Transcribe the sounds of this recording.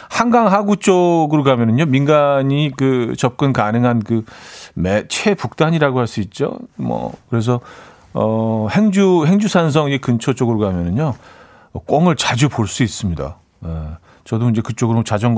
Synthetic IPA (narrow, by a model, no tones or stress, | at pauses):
hanɡaŋɦaɡut͡ɕ͈oɡɯɾokamjʌnɯɲominɡaɲikɯt͡ɕʌp̚k͈ɯnkanɯŋɦankɯmet͡ɕʰe̞puk̚t͈aɲiɾaɡohaɭs͈uit̚t͡ɕ͈o̰mʌ̰kɯɾe̞s̬ʰʌ | ʌhe̞ŋd͡ʑuhe̞ŋd͡ʑusʰans̬ʰʌŋid͡ʑekɯnt͡ɕʰot͡ɕ͈oɡɯɾokamjʌnɯɲo | ʌk͈wʌŋɯɭt͡ɕad͡ʑupoɭs͈uis͈ɯmɲida̰ | e | t͡ɕʌdoind͡ʑe̞kɯt͡ɕ͈oɡɯɾot͡ɕad͡ʑʌŋɡ